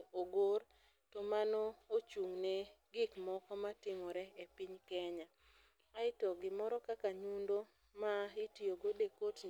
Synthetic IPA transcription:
oɡor | tomanɔot͡ʃuŋneɡɪkmɔkɔmatɪŋɔɾɛepiɲkɛɲa | aɪtɔɡɪmɔɾɔkakaɲundo | maɪtioɡodekot

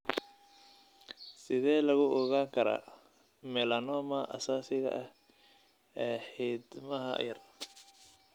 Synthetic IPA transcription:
sɪðɛːlɐɣʊʔɔɣaːŋkʰɐɾa̰ː | mɛlɐnɔːmɐʔɐsaːsɪɣɐ̰ʔɐh | ɛːħiːd̪mɐɦɐ̰jɐr

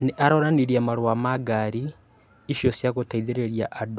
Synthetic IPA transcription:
neʔaɾɔɾaniɾiamaɾowamaɡaɾi | iʃjosjaɣotaiðeɾeɾjaʔado

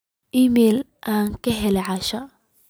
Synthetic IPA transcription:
ʔimɛːl | ʔaːŋkʰɐɦɛlɛʕɑʃɐ

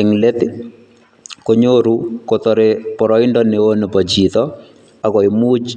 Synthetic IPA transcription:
ɪŋlet̪ɪ | koɲoɾukot̪ɔɾepɔɾɔɪndɔneonepɔt͡ʃit̪ɔ | akɔimut͡ʃ

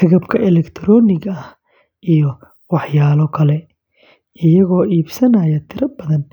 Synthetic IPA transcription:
hʰɪɣɐbkʰɐʔɛlɛkt̪ʰɾɔːnɪɣɐɐh | ʔijɔ | wɑħjaːlɔkʰɐlɛ | ɪjɐɣɔːiːbsɐnɐːjɐt̪ʰɪɾɐbɐðɐn

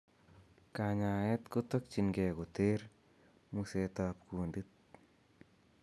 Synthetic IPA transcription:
kaɲaɛt̪kʊt̪ɔk̚t͡ʃinɡɛːkʊt̪eːɾ | muset̪ap̚kundɨt̪̚

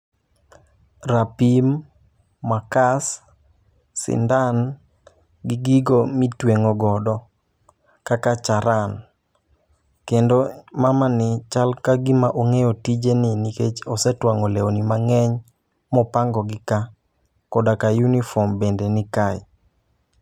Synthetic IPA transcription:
rapimː | akasː | ɪ̰ndan | ɡɪɡiɡomitweŋɔɡɔdɔ | kakat͡ʃaɾan | kendomamanɪt͡ʃalkaɡɪmaʔoŋejotid͡ʒenɪniket͡ʃɔsɛtwaŋɔlɛonimaŋɛɲ | mɔpaŋɡɔɡɪka | kɔdakajunifɔmbendenɪkaj

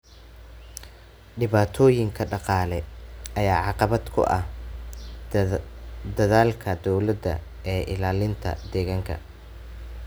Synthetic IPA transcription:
ɖɪβaːt̪ʰɔːjɪŋkʰɐɖɑqɑːlɛɐjaːʕɑqɑβɐd̪kʰʊ̰ʔɐ̰h | d̪ɐðaːlkʰɐd̪ɔwlɐd̪ɐ̰ | ɛːʔɪ̰laːlɪnt̪ʰɐ̰d̪ɛɣaːŋkʰɐ̰

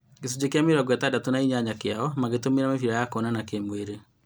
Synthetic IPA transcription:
ɡes̬ud͡ʑekeameɾɔɡwɛtadatonaiɲaɲakeaɔmaɣetomeɾamefiɾajakonanakemweɾe

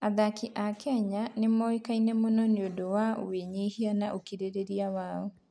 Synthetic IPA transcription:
aðakiʔakɛɲanemɔekainɛmonɔneodowao̰weɲehianaʔokiɾeɾeɾiawaɔ

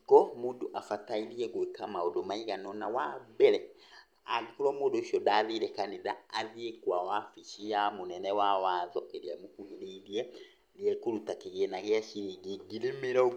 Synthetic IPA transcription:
kɔmuːduʔafataiɾiɛɣwekamaɔdomaiɣanɔnawabɛɾɛ | a̰ikuɾɔmudoʃɔdaðiɾɛkaniða̰ːðiekwawafiʃiamunɛnɛwawaðɔʔeɾiamukuiliiliɛ | lijɛkulutakiɣenaɣeaʃiɡiɡiɾimiɾɔ

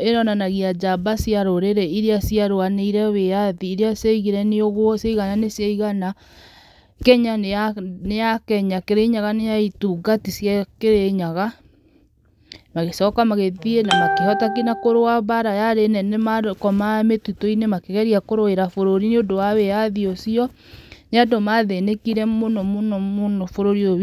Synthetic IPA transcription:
enɔnanaɣiad͡ʒabasiaɾoɾeɾɛiɾeasiaɾoaneiɾɛweaðiːɾeaseiɣiɾɛneoɣwɔsaiɣananesjaiɣana | kɛɲanejakɛɲakeɾeɲaɣanejaituɡatisjakeɾeɲaɣa | maɣesɔːkamaɣeðienamakehɔtak̬inakoɾoaβaɾajaɾenɛnemaɾokɔmametutoinemakeɣɛɾiakoɾoeɾafoɾoɾineondowaweaðiosiɔ | neadomaðenekiɾɛmonɔmonɔmonɔfoɾoɾioβ

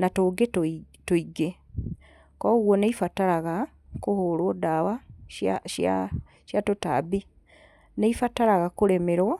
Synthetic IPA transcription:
natoːɡeto | toiɡe | kɔɣwɔneifataɾaɣa | kohoɾwodawaaʃa | ʃjatota̰bi | neifataɾaɣakoɾemeɾo

